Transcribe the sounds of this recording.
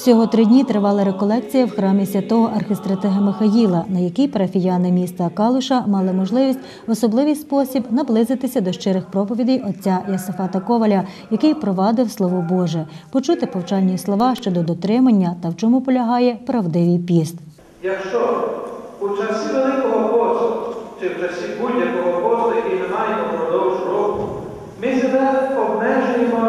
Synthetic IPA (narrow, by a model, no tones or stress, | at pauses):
sʲɔɦɔt̪ɾɪdʲnʲit̪ɾɪʋɑlˠɐɾekɔlˠɛk̚t͡sʲijɐwxɾɑmʲisʲʋʲɐt̪ɔɦɔʔɐrxest̪ɾɐt̪ɪɦɐmɪxɐjilˠɐnɐjɐkijpɐɾɐfʲijɑnɪmʲist̪ɐkɑlˠʊʃɐmɑlˠɪmɔʒlˠɪʋʲisʲt̚ʲ | ɔsɔblˠɪʋijspɔsʲibnɐblˠɪzɪt̪ɪsʲɐd̪ɔʃt͡ʃɪɾɪxpɾɔpɔʋʲid̪ʲijɔt͡sʲːajɐsɪfɑt̪ɐkɔʋɐlʲɐjɐkɪjpɾɔʋɑd̪ɪwslˠɔʋɔbɔʒɛpɔt͡ʃut̪ɪpɔwt͡ʃɑlʲnʲislˠɔʋɑʃt͡ʃɔd̪ɔd̪ɔt̪ɾɪmɐnʲːɐt̪ɐwt͡ʃɔmupɔlʲɐɦɑjɛpɾɐwd̪ɪʋʲijpʲist̪ | jɐkʃt͡ʃɔ | ut͡ʃɐsʲiʋelˠɪkɔɦɔpɔslɔt͡ʃɪwt͡ʃɐsʲibudʲjɐkɔɦɔpɔzlˠɔjɐkijnemɑjemɔɦɔɾɔd̪ɔʋʊʒɾɔkʊ | mɪsebɛɔbnɛʒʊjemɔ